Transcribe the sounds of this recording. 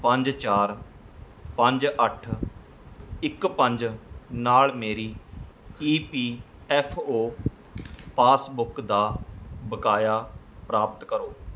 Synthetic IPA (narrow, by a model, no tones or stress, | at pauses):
pəɲd͡ʒt͡ʃaːɾ | pəɲd͡ʒəʈʰ | ɪkpə̃ɲd͡ʒnaːlmeːɾiː | iːpiː | ɛːpʰoː | paːsbʊkd̪aːbəkaːjaː | pɾaːpt̪kəɾoː